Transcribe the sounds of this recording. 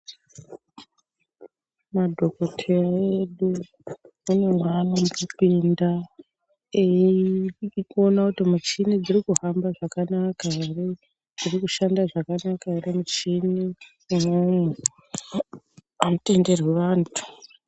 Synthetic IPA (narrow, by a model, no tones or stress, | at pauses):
madʱo̞ko̞tʰe̞raeɗu | une̞mwanamukipiːnda | e | iko̞nakutimut͡ʃinid͡zirikuɦambaʐakanakaere | d͡zirikuʃandaʐakanakaeɾemut͡ʃini | momwe | anote̞nde̞rweʋaːntʰu̥